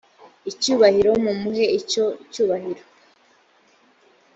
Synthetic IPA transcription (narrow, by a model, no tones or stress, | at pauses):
icuːβahiɾo̞mumuɦe̞ico̞cuːβahiɾo